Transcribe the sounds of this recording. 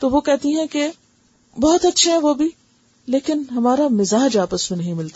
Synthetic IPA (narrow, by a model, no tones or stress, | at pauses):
t̪oːʋokɛɦt̪iɦɛ̃ke | bɔɦɔt̪ɐtːʃʰeɦɛ̃ʋoːbʱi | leːkɪnɦɐmaːɾamɪzaːd͡ʒaːpəsmẽnɐɦĩmɪlt̪a